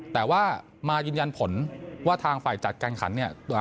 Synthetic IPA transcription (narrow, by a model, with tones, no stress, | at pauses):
t̪ɛː˨˩waː˥˩ | maː˧jɯː˧nja˧npʰo˩˦nwaː˥˩t̪ʰaː˧ŋfaː˨˩jt͡ɕa˨˩t̪̚kaː˧nkʰa̰˩˦nːi˥˩ɐt̪u˧